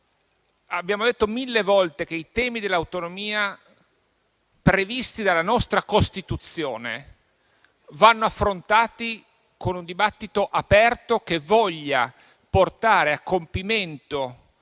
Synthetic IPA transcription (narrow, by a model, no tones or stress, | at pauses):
abːjaːmod̪et̪ːomilːevɔlt̪ek̟eit̪ɛːmid̪elːawt̪onomiːa | pɾevist̪id̪alːanɔst̪ɾakost̪it̪ut̪sːjoːne | vanːoafːɾont̪aːt̪i | konund̪ibat̪ːit̪oʔapɛrt̪ok̟evɔʎːa | port̪aːɾeakːompiment̪o